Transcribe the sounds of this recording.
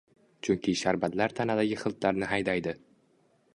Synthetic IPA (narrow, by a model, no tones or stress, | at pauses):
t͡ʃʰʊŋkʲʰɪʃaɾbad̪laɾt̪ʰanad̪aɡʲɪχɨlˠt̪laɾnɪɦajd̪ajd̪ɪ